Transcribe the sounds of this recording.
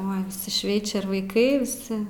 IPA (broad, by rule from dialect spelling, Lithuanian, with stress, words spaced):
oːɪ ʋʲɪˈsʲɪ ˈʃʲʋʲɛɪt͡ʃʲɛ ɪr ʋɐɪˈkɐɪ ʋʲɪˈsʲɪ